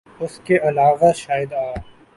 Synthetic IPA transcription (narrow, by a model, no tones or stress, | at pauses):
ʊskeʔɐlaːʋaʃaːjɪd̪aː